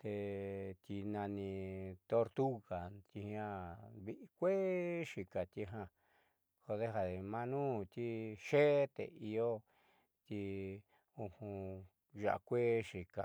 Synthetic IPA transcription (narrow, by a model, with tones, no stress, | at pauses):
t̪e˧t̪i˧nã˧nĩ˧t̪o˧ɾt̪u˦ɣa˨t̪i˧hã˦βi˦ʔi˧kʷe˦ʂi˨ka˨t̪i˧ɦã˧ | ko˧ðe˦ɦa˧ðe˨mã˧nũː˦˨t̪i˦ʃe˦t̪ḛ˨i˧jo˦ | t̪i˧ | u˧hũ˧ | ʒa̰˨ʔa̰˧kʷe˦ʂi˨ka̰˨